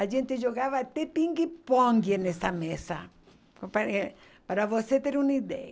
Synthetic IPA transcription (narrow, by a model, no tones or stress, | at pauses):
aʒẽnt̪ɪʒoɣavɐt̪epĩŋɡipõŋɡenesɐmesɐ | pa | paɾavoset̪eɾũnid̪ɛ̰ɐ